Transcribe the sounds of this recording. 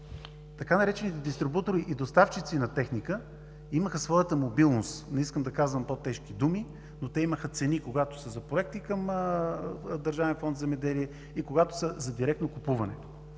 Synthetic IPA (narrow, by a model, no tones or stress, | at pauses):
t̪ɐkanɐɾɛt͡ʃɛnit̪ɛd̪ist̪ɾibut̪oɾiʔid̪ost̪aft͡ʃit̪sinɐt̪ɛxnikə | iməxəsvɔjət̪əmobilˠnost̪nɛiskəmd̪ɐkazvəmpot̪ɛʃk̟id̪umi | not̪ɛiməxət̪sɛnikoɡat̪o̥səzɐpɾoɛk̚t̪ikəmə | d̪əɾʒavɛnfɔnt̪zɛmɛd̪ɛliɛ | ikoɡat̪o̥səzɐd̪iɾɛkt̪nokupuvɐnɛ̰t̪o